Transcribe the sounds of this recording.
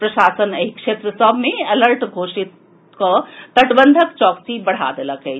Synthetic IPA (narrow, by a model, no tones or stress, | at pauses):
pɾɐʃaːsənɐɦikʃeːt̪ɾəsəbʱmẽɐləɾʈɡʱoːʃit̪ | kot̪ɐʈbənd̪ʱəkt͡ʃɔːksibɐɽ̤a̰d̪eləkɦe